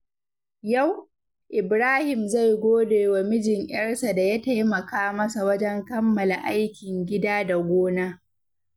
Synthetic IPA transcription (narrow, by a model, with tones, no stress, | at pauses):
ja˦˨w | ʔɪ˨bɾaː˦hɪ˨mza˦˨jɡʷoː˦deː˨wa˨mɪ˦d͡ʒɪ˨ŋj̰ɪ̰ɐ˦rsa˨da˨ja˦ta˦jmɐ˨kaː˦mɐ˦sa˨wɐ˦d͡ʒɛ˦ŋkɐ˦mːɐ˨la˨ʔa˦jkʲɪ˨ŋɡʲɪ˦daː˦da˨ɡʷoː˦naː˦